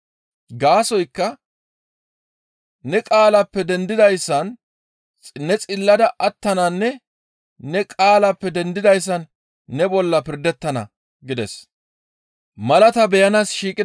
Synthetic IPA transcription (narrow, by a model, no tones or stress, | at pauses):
ɡaːsɔjkːɐ | nɛkʼaːlɐpːɛd̪ɛnd̪ɪd̪ɐjsːɐnʼ | nɛt͡sʼɪlːɐd̪ɐʔɐt̪ːɐnɐnːɛ | nɛkʼaːlɐpːɛd̪ɛnd̪ɪd̪ɐjs̬ːɐnː | ɛbɔlːɐpɪɾd̪ɛt̪ːɐnɐ̰ | ɡɪd̪ɛs | mɐlɐt̪ɐbɛjɐnasʃiːkʼɪ